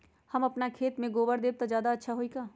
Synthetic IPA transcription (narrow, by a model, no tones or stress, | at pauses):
hɐmɐpnakʰeːt̪mẽɡoːbəɾd̪eːb̚t̪azjaːd̪aɐtːʃʰaɦoikaː